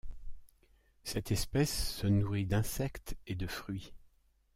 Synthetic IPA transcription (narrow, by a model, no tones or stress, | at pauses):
sɛt̪ɛspɛsːənuʁid̪ɛ̃sɛkt̪ed̪əfχɥi